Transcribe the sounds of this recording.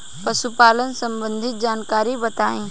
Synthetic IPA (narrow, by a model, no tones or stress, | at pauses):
pɐsupaːlənsɐ̃mbə̃nd̪ʱɪt̪̚d͡ʒaːnkaːɾibɐt̪aːĩː